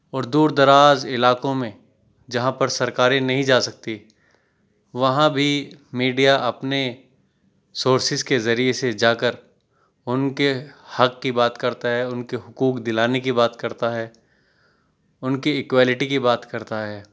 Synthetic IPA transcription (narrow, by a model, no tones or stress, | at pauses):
ɔːɾd̪uːɾd̪ɐɾaːzɪlaːkõmẽ | d͡ʒɐɦãpɐɾsɐɾkaːɾẽnɐɦĩd͡ʒaːsɐk̚t̪i | ʋɐɦãbʱimiːɖijaʔɐpne | soːɾsɪzkezɐɾiesed͡ʒaːkəɾ | ʊnkehɐkːibaːt̪kɐɾt̪aɦɛʊnkeɦʊkuːkd̪ɪlaːnekibaːt̪kɐɾt̪aɦɛː | ʊnkiɪkwaːlɪʈikibaːt̪kɐɾt̪aɦɛː